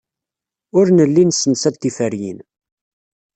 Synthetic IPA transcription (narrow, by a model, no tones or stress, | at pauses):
ʊɾnəlːinsənsæt̪ːifəɾjḭn